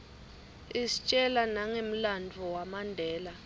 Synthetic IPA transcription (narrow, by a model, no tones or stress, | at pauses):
isi̥t͡ʃʼɛlanaŋem̩landʱɔwamandʱɛːla